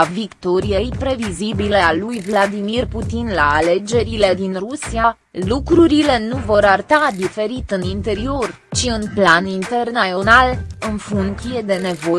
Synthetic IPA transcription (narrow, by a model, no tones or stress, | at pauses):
avikt̪o̞ɾijeipɾe̞vizibilealujvlad̪imirput̪inlaːle̞d͡ʒe̞ɾile̞d̪inrusia | lukɾuɾile̞nuvo̞ɾart̪ad̪ife̞ɾit̪ɨnint̪e̞ɾio̞r | t͡ʃiɨnplanint̪e̞rnaonalɨnfuŋsije̞d̪e̞ne̞vo̞